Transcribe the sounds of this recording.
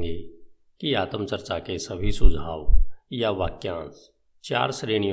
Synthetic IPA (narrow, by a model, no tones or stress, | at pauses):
e | kiaːt̪əmt͡ʃəɾt͡ʃakesəbʱisʊd͡ʒʱaːʋjaʋaːkjãːns | t͡ʃa̰ːɾsɾeːɽ̃ij